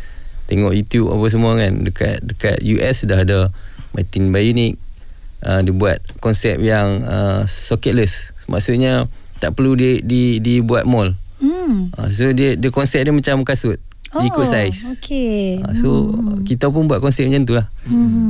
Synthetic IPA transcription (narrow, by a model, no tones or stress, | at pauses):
t̪eŋɔʔjut̪juba̰pas̬əmuakandəka̰t̪̚dəka̰t̪̚juʔɛsdahdə | mat̪inbajunik̚ | ədiəbuat̪̚kɔnsɛp̚jaŋəsokət̪̚ləsmʔa̰ʔsut̪̚ɲət̪aʔpəɾluddidibuat̪̚mɔl | ʔa̰s̬odiədiəkɔnsɛp̚dəmat͡ʃamkasʊt̪̚ | diikuʔsajsokʰea̰sokit̪ap̬ʊnbuat̪̚kɔnsɛp̚d͡ʒant̪̬ulah